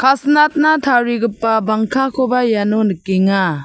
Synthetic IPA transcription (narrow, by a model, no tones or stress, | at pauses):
kʰasnat̚natʰaɾiɡɯpːabaŋkʰakʰobajanonɯkiŋa